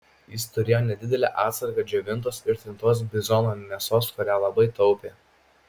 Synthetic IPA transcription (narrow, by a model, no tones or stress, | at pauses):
jɪst̪ʊɾʲeːjoːnʲɛd̪ʲɪd̪ʲɛlʲæ̰ːʔɑːt̪sɐɾkɑd͡ʒʲɛʋʲɪnˑt̪oːsɪɾt̪ʲɪnt̪oːs̬bʲɪzɔnoːnʲɛsoːskʊɾʲæːlˠɐbɐɪt̪ɒʊpʲeː